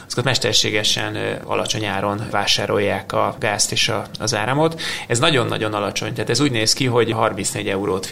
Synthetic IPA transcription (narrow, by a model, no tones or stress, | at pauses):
z̥kot̪mɛʃt̪ɛrʃeːɡɛʃɛ̰nɒ̰lʔɒt͡ʃo̞ɲaːɾo̞nvaːʃaːɾo̞jːaːkɒɡaːst̪eːʃɒɒzaːɾɛmo̞t̪ɛznɒɟo̞nːɒ̰ɟo̞nɒlɒt͡ʃo̞̰ɲt̪ɛːt̪ɛzuːɟneːskiɦo̞ɟɦɒrminsneːɟɛuɾoːt̪